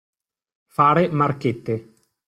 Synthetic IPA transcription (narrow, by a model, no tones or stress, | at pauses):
faːɾemarket̪ːe